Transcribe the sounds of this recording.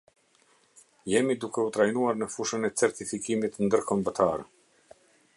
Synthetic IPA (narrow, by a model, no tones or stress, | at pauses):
jɛmid̪ukɛut̪ɾajnuaɾnəfuʃənɛt͡sɛɾt̪ifikimit̪nd̪əɾkɔmbət̪ʰaɾɛ